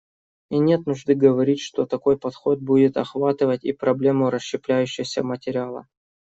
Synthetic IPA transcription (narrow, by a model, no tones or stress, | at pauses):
inʲe̞t̪nʊʐd̪ɨɡəvɐɾʲitʲʂt̪ot̪ɐko̞jpɐt̪xo̞t̪̚budʲɪt̪ɐxvat̪ɨvətʲḭpɾɐblʲe̞mʊɾəɕːɪplʲæjʉɕːɪəsʲəmətʲɪɾʲɪalˠə̰